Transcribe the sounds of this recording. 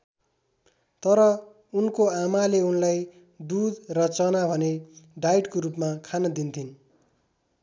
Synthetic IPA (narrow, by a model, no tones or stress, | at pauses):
t̪ʌɾʌ | unkoamaleunlaj | d̪ud̪rʌt͡sʌnabʱʌneɖajʈkorupmakʰanʌd̪int̪ʰin